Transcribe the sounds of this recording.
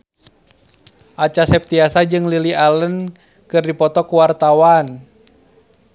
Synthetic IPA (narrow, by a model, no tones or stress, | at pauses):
ʔat͡ʃasɛp̚t̪iasad͡ʒɨŋlilialən | kɨrdipɔt̪ɔkuwart̪awan